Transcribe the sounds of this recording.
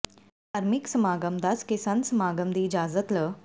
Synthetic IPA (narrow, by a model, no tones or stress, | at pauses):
ɐɾmiksəmaːɡəmd̪at͡skesansəmaːɡəmd̪iːd͡ʑaːd͡zət̪lə